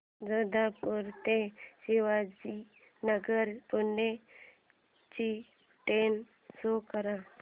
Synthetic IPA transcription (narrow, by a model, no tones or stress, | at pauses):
d͡zəd̪apuɾt̪ẽsiʋad͡ʒi | nəɡəɾpunːe | t͡ʃi | ʈen | sokəɾã